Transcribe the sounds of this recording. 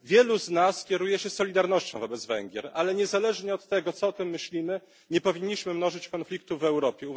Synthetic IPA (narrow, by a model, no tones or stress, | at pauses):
vʲjɛluznaskʲjɛɾujɛɕɛsɔlʲid̪aɾnɔɕt͡ɕɔ̃w̃vɔbɛd̪zvɛ̰ŋɡʲɛ̰ɾalɛɲɛzalɛʐɲɛɔt̪ːɛɡɔt̪sɔɔt̪ɘmːɘɕlʲimɘ | ɲɛpɔvʲiɲːiɕmɘmn̪ɔʐɘt͡ɕkɔnflʲik̚t̪uvɛwɾɔpʲjɛu